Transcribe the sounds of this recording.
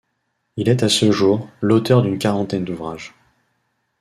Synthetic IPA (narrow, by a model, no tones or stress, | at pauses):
ilɛt̪asəʒuːʁlot̪œʁd̪ynkaʁɑ̃t̪ɛnd̪uvʁaʒ